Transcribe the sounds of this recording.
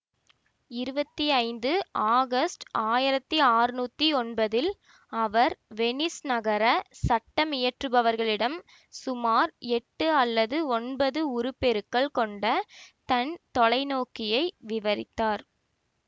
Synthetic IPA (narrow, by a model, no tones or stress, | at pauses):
ɪɾɯbɐt̪ːiɐɪnd̪ɯʔaːɣɐsʈʔaːjɪɾɐt̪ːiaːrnuːt̪ːiɔnbɐðɪl | ɐʋɐɾʋɛnɪsnɐɣɐɾɐsɐʈːɐmɪjɐʈrɯbɐʋɐɾɣɐɭɪɽɐm | sʊmaːɾɛʈːɯɐlːɐðɯɔnbɐðɯʊɾɯpɛɾɯkːɐɭkɔɳɖɐt̪ɐnt̪ɔɭɐɪnoːkɪjɐɪʋɪʋɐɾɪ̰t̪ːaːɾ